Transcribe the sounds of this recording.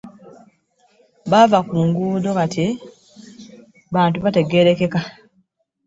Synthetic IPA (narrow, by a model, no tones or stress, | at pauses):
βavakuːŋɡuːdo̞katʰi | βaːntuβate̞ɡe̞ɾe̞ke̞ka